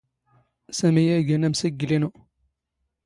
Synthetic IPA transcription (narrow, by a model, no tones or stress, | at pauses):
sæmijæɡænæmsəɡlinu